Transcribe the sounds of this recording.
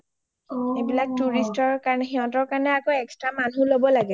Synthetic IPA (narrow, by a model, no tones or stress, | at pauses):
ebilak̚tuɹistɔɹkaɹnɛxiɦɔ̃tɔɹkaɹnɛakoɛkstɹamanulobɔlaɡɛ